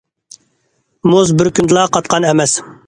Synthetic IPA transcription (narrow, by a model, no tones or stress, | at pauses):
muzbɪɾkʲynd̪ɨlˠɑqʰɑt̪̚qʰɑnɛmɛs